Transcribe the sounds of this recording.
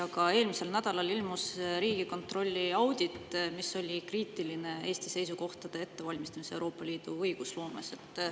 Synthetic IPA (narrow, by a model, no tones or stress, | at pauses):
ɑkɑe̞ːlmise̞lnæd̪̥ɑlɑlilmusɾiːɡ̥iko̞nt̪ro̞lʲːiɑwd̪̥ʲit̪ːmiso̞lʲikriːt̪ˑiline̞e̞ːst̪ise̞js̬uko̞ht̪ɑd̪̥e̞e̞t̪ːe̞vɑlʲmist̪ɑmise̞wɾo̞ːpːˑɑliːd̪̥uɤjɡ̥uslo̞ːmḛse̞t̪ːˑ